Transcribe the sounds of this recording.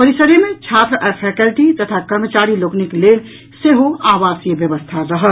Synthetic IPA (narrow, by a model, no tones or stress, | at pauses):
pəɾisəɾjəmẽt͡ʃʰaːt̪ɾəʔɛɾpʰɛːkəlʈit̪ɐt̪ʰakɐɾmət͡ʃaːɾiloːknɪkleːn | seɦoaːʋaːsijəʋjəʋəst̪ʰaɾɐɦə